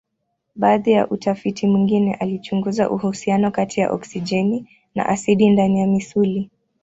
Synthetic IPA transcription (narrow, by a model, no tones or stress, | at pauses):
ɓaːðija̰ʔutafitʰimwiŋɡinɛ̰ʔalit͡ʃuŋɡuza̰ʔuhusianɔkatʰija̰ʔɔ̰ksid͡ʒɛni | na̰ʔasiɗindanijamisuli